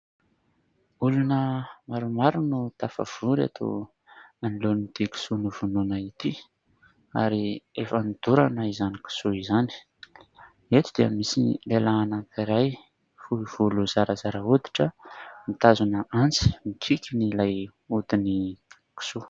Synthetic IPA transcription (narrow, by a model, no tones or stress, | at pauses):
ulunəmaɾumaɾunut̪afa̰v̥uɾa̰t̪ʰo̰ | anilonid̪̥iki̥sunuvununait̪i | a̰ɾiefənid̪̥uɾanaizaniki̥suizani̥ | et̪ud̪̥iə̰misilelaːnakiɾaj | fuiv̥uluzaɾəzaɾəod̪i̥ʈ͡ʂəmit̪azunəʔant͡si̥mikʰikʲinilaj | ut̪ini | ki̥su